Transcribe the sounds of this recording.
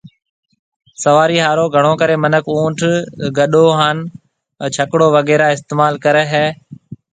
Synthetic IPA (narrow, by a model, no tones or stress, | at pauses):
səʋaːɾiːɦaːɾoːɡʱəɽ̃oːkəɾeːmənəkʰũːʈʰɡəɗoːɦaːn | t͡ʃʰəkɽoːʋəɡɛːɾaːɪst̪eːmaːlkəɾɛɦɛː